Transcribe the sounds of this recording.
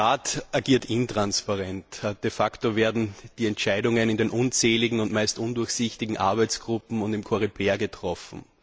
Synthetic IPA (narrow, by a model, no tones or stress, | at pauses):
aːtʔaɐɡiːɐtɪntʁ̥anspaʁɛntd̥efaktoveːɐdn̩d̥iːɛntt͡ʃæɪdʊŋənɪndenʔʊnt͡sɛːlɪɡŋ̩ʊntmaɪstʔʊndʊɐçsɪçtɪɡŋ̩ʔa̰ɐbæɪt͡sɡ̥ʁʊpm̩ʊntɪmkʰoʁipʰeːɐɡətʁ̥ɔfm̩